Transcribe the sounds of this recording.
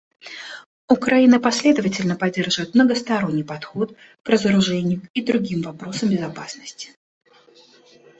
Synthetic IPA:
ʊkɾɐinəpɐsʲlʲe̞d̪əvətʲɪlʲnəpɐdʲːe̞rʐɨvət̪mnəɡəst̪ɐɾo̞nʲːɨjpɐt̪xo̞t̪̚ | krəzəɾʊʐɛnʲɪjʊid̪ɾʊɡʲimvɐpɾo̞səmbʲɪzɐpasnəsʲtʲɪ̥

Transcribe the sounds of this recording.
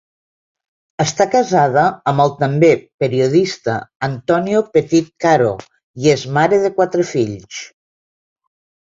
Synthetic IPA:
əst̪akəzaðəːmbəlˠt̪əmbepəɾioðist̪əːnt̪ɔniopət̪it̪̚kaɾo̰ | iezmaɾeðəkwat̪ɾəfiʎs

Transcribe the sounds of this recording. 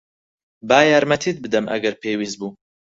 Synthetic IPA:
baːjaːɾmɐt̪ʰiːt̪̚bɨd̪ɐmʔɐ̰ɡɐɾpʰeːwiːz̚buː

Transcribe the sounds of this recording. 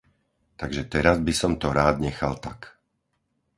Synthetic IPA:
t̪aɡʒɛt̪ɛɾazbisɔmt̪ɔɾaːd̪ɲɛxalt̪ak

